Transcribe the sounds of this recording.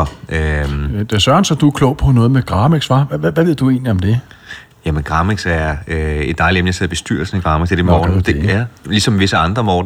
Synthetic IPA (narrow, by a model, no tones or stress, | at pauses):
ɒød̥esɶɐɐnsɒd̥uækʰlɔʊ̰pʰɒ̽nɔ̽ːð̞̩ˠmeɡ̥ʁɑ̈ːmeɡ̥sfɑʋæʋæʋe̝ð̰ˠd̥ue̝̰ːnliɒ̽md̥e̝ | jæmenɡ̥ʁɑ̈ːmeɡ̥sæɐe̝d̥d̥ɑ̈ɪli̥emnəjɑse̝ðˠbe̝sd̥yɐ̰l̩sn̩æɡ̥ʁɑ̈ːmeɡ̥d̥eɐd̥emmɔːn̩d̥ælisɒ̽mʋe̝səɑ̈nd̥ʁɐmɔːd̥n̩